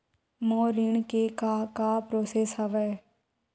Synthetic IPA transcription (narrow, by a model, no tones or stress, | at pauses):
moːɾɪɳkekakapɾoːseːsɦəʋɛː